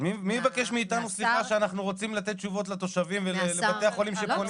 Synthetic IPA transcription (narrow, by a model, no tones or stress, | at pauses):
mimijevake̞ʃmiːt̪anusliχaʃeanaχnuʁo̞t͡simlat̪et̪̚t͡ʃuvo̞t̪̬lat̪o̞ʃavimvelelevat̪e̞aχo̞limʃepon